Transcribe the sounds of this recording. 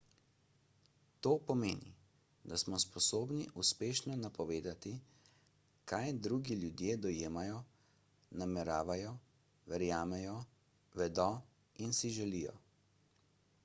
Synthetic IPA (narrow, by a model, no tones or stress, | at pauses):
t̪oːpɔmeːnḭ | d̪asmɔspɔsoːbniʔuspeːʃnɔnapɔʋeːd̪at̪i | kʰajd̪ɾuːɡiljud̪jeːd̪ɔjeːmajɔ | namɛɾaːʋajɔ | ʋɛɾjaːmɛjɔ | ʋɛd̪ɔ | insiʒɛlijɔ̰